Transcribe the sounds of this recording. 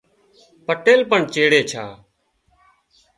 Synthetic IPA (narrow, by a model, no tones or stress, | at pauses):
pəʈeːlpəɳt͡ʃeːɽeːt͡ʃʰaː